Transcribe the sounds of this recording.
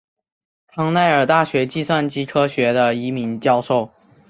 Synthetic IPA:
t̪ʰɑ˧˥ŋna˥˩ɪə˞˨˩t̪a˥˩ɕɥɛ˧˥t͡ɕi˥˧swa˥˩nt͡ɕi˥kʰɤ˥ɕɥɛ˧˥d̪ə˧i˧˥mi˧˥nt͡ɕjɑ˥ʊʂo˥˩ʊ

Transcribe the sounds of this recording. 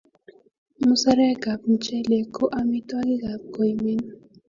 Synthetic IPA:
mu˦sa˦ɾɛ˦ɡa˨pn̩˨t͡ʃɛ˦le˨ko˦ʔa˦mi˦t̪wa˦ɡi˦ɡa˨p̚ko˨jme˦n

